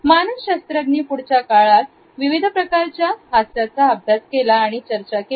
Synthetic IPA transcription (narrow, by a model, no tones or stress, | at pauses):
manəʋɕast̪ɾat̪niːpuɽt͡ɕakaɭat̪ | ʋiʋid̪ʱəpɾəkaɾt͡ɕjaɦasjat͡saəbʱjat͡skelaːɽ̃it͡ɕəɾt͡ɕake